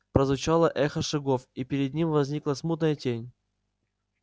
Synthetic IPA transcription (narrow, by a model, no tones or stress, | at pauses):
pɾəzvʊt͡ɕalˠəʔɛxəʂɨɡofipʲɪɾʲɪd̪nʲimvɐzʲnʲiklˠəsmut̪nəjətʲenʲ